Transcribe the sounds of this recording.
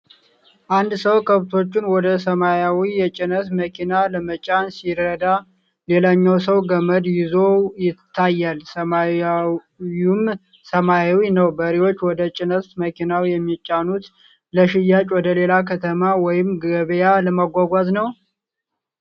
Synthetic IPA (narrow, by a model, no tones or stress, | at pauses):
ʔand̪səwkʰəβt̪ʰo̞t͡ʃːunwɔd̪əsəmajawijɛt͡ʃʼɪnəsməkʰinaləmət͡ʃʼansiɾːəd̪a | le̞laɲːawsəwɡəməd̪jɪzojɪt̪ʰːajːalsəma | um | səmajawinəwbəɾiwo̞t͡ʃːwɔd̪ət͡ʃʼɪnəstməkʰinawijɛmːit͡ʃʼːanut̪ | ləʃɪjːat͡ʃʼwɔd̪əle̞lakʰət̪ʰəmawɔjɪmɡəβjaləmaɡʷaɡʷaznəw